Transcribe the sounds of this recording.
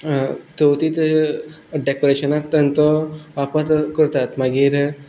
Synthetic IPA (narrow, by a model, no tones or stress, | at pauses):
t̪owt̪it̪ | ɖekoɾeʃɐnat̪ɐnt̪ɔʋapɐt̪kuɾt̪at̪maɡiɾ